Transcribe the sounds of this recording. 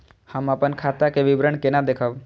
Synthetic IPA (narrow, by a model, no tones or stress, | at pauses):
həməpənkʰaːt̪akeʋɪbɾəɳkenad̪eːkʰəb